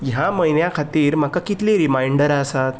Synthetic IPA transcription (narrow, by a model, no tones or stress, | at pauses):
jɦaməjnjakʰat̪iːɾm̤akakit̪liɾimaiɳɖəɾasat̪